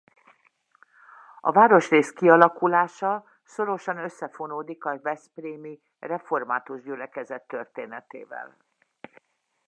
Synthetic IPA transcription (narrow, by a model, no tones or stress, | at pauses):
ɒ̰vaːɾo̞ʃreːskiɒlɒkulaːʃɒ | so̞ɾo̞ʃɒnø̞sːɛfo̞noːd̪ikɒvɛspreːmi | rɛfo̞rmaːt̪uʒɟylɛkɛzɛt̪ːø̞rt̪eːnɛt̪eːvɛ̰l